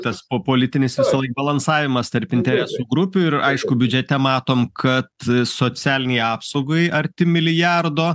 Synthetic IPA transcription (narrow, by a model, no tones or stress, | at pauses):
t̪ɐspoːpoːlʲɪt̪ʲɪnʲɪsʋʲɪsɐlˠɐɪk̚bɐlˠɐnsɑːʋʲɪmɐst̪ɐɾpʲɪnʲt̪ʲɛɾʲæsuːɡɾʊpʲuːɪrɐɪʃkʊbʲʊd͡ʒʲɛt̪ʲɛmɑːt̪oːmkʰɐt̪soːsʲæːlʲɪnʲɛjɑːpsɐʊɡojʔɐɾʲt̪ʲɪmʲɪlʲɪjæːrd̪oː